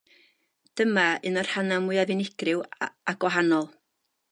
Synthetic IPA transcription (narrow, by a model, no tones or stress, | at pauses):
d̥əmaɨnər̥hanamʊɨavɪnɪɡ̥rɨwaɡ̥wɔɦanɔlˠ